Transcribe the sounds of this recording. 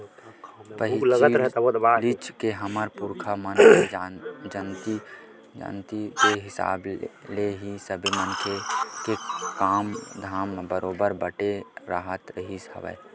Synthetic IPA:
pəɦiləɡəɾəɦoalit͡ʃkeɦəməɾpuɾkʰamən | d͡ʒənt̪i | d͡ʒa̰nt̪ikeɦɪsa̰ːbleɦisəbʱimənkʰekekaːmd̪ʱaːmbəɾoːbəɾbəʈeɾaːɦət̪ɾəɦishə̰ʋɛ̰ː

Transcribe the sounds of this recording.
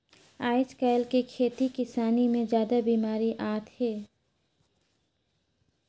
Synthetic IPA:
aːɪskaɪlkikʰeːt̪ikɪsaːnimẽd͡ʒjaːd̪abiːmaːɾiʔaːt̪heː

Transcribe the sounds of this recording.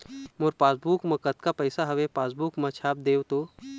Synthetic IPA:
moɾpaːsbuːkmɐkət̪kapɐɪsaɦɐʋepaːsbuːkmɐt͡ʃʰaːp̚d̪eːwt̪oː

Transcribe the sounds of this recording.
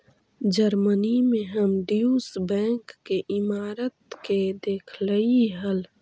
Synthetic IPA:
d͡ʒəɾmənimẽɦəmɖiusbɛ̃ːŋkːeʔɪmaːɾət̪̚ked̪eːkʰləiɦəl

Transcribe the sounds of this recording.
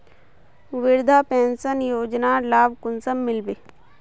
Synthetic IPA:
ʋɪɾd̪ʱapẽːnsənjoːd͡ʒnalaːbkʊnsəmːɪlbeː

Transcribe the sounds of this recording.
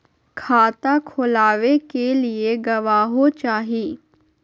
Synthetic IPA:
kʰaːt̪aːkʰolaːʋeːkeːlɪeːɡəʋaːɦoːt͡ʃaːɦiː

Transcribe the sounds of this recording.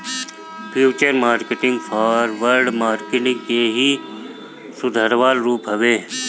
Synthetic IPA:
pʰjuːt͡ʃəɾmaːɾkeʈɪ̃ŋɡpʰaːɾʋəɾɖmaːɾkɪʈɪ̃ŋɡkeːɦi | sʊd̪ʱəɾʋaːlɾuːpɦəʋeː

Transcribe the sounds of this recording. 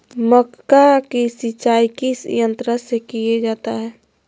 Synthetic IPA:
məkkakisɪt͡ʃaːjkisjə̃nt̪ɾəsekijed͡ʒaːt̪aɦɛː

